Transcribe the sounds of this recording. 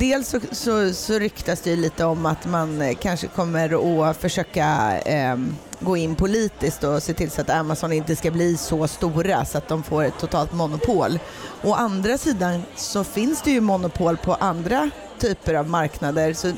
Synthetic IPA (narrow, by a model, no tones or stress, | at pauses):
d̪eːlsɔsɔsɔɾʏkt̪asd̪ɛjɵliːt̪əɔmːat̪mankʰanʂəkʰɔmːəɾɔfœʂøːka | ɡoːɪnːpʰʊliːt̪ɪskt̪ɔseːt̪ʰɪlsat̪amasɔnɪnt̪əskabliːsɔst̪uːɾa̰sɔat̪̚d̪ɔmfoːɾɛt̪ʰːʊt̪ʰɑːlt̪mʊnʊpʰoːl | ɔʔand̪ɾasiːd̪ansɔfɪnsd̪ɛjɵmʊnːʊpʰoːlpʰɔʔand̪ɾa | t̪ʰyːpəɾavmaɾknad̪əɾsɔ